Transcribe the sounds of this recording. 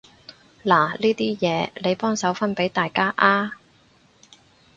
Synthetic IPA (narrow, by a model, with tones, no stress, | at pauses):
laː˨˩liː˥t̪iː˥jɛː˨˧le˨˧jpɔː˥ŋsɐ˨˥wfɐ˥npe˨˥jt̪aː˨jkaː˥ʔaː˥